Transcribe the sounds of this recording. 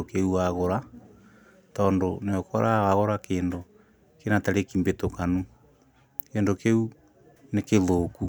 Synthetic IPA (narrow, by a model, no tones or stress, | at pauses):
okeuaɣoɾa | tɔːndoneokaɾʔawaɣoɾakeːndo | kenataɾekimbetokanu | keːndokeu | nekeðoːku